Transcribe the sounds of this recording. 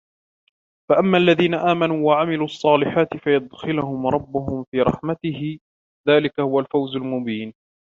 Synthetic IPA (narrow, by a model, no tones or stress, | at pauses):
faʔamːaːʔalːaðiːnaʔaːmanuːwaʕamɪluːʔɑsˤːɑːlɪħaːt̪ɪfajʊd̪xɪlʊhʊmɾˤɑbːʊɦʊmfiːɾˤɑ̰ħmat̪ɪɦɪ | ðaːlɪkahʊwalfawzʊlmʊbiːn